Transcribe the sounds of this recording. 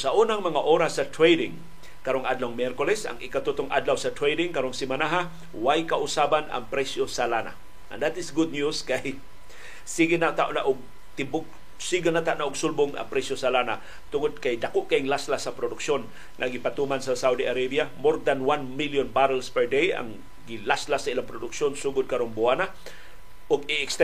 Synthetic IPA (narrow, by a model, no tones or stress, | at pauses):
saʔunaŋmaŋaʔoɾasat̪ɾejdɪŋ | kaɾoŋʔad̪lawŋmjɛɾkʊlɛsa̰ŋɪkat̪ut̪oŋʔa̰d̪lawsat̪ɾejdɪŋkaɾoŋsɪmanaɦa | wajkaʔʊsabana̰ŋpɾɛsjosalana̰ | ʔɐ̰nd̪at̪ɪsɡʊd̪̚njuskaj | siɡɪnat̪aʔnaʔʊɡ̚ | t̪ɪbʊɡ | siɡanat̪aʔnaʔʊɡsʊlbʊŋʔa̰ŋpɾɛsjosalana̰ | t̪ʊŋod̪̚kajd̪akoʔkaʔɪŋlaslasapɾʊd̪ʊkʃon | ŋaɡɪpat̪umansasawd̪iʔaɾebjamoɾd̪anwanmiljonbaɾalspɛɹd̪eja̰ŋ | ɡɪlaslasailaŋpɾʊd̪ʊkʃonsuɡʊd̪̚kaɾoŋbʊana | ʔʊɡɪɛkst̪ɛ